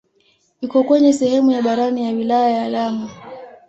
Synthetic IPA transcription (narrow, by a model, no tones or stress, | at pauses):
ikɔkwɛɲɛsɛhɛmujaɓaɾanijawilajajaːlama